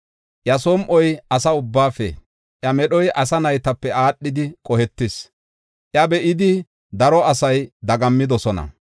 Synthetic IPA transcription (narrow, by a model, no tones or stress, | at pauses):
ʔjɐsoɔmʔɔjɐsɐʊbːaːfɛ̰ | ʔjɐmɛɗɔjʔɐsɐnɐjt̪ɐpːɛaːɗːɪd̪ɪkʼɔhɛt̪ːɪs | ʔjɐbɛʔɪd̪ɪ | d̪ɐɾɔɐsɐjd̪ɐɡɐmːɪd̪ɔsɔnɐ̰